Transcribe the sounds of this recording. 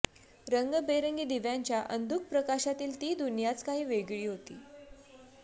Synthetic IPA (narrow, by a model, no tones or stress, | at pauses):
ɾəŋɡəbeɾəŋɡiːd̪iʋjaɲt͡ɕjaʔənd̪ʱuk̚pɾəkaɕat̪iːlt̪iːd̪unjat͡skaɦiːʋeɡɭiːɦot̪ḭː